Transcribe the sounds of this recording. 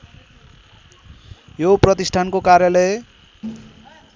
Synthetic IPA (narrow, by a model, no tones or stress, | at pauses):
joprʌt̪isʈʰankokaɾjʌlʌj